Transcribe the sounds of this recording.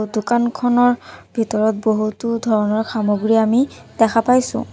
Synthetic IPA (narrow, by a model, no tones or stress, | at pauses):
dukankʰɔnɔɹbʱitɔɹɔt̚boɦutudʱɔɹɔnɔɹxamoɡɹiami | d̥ɛkʰapajsʊ̰̃